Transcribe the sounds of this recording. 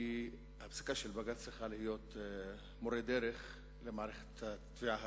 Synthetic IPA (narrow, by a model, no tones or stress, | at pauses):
i | hapsi̥kaʃelbaɡat͡sʁiχalihijo̞t̪ | moɾed̪eɾeχ | lemaːɾeχet̪hat̪ːvia